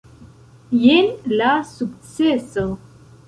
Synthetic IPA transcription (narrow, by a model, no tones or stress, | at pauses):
jenlasukt͡seso